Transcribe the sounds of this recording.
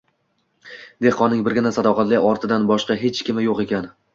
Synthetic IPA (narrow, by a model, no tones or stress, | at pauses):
d̪e̞hqɒnːɪŋbɪɾɡʲɪnasad̪ɒqʰɑt̪lɪɒɾt̪ʰɪd̪anbɒʃqɑɦet͡ʃkʲɪmɪjoqe̞kʲan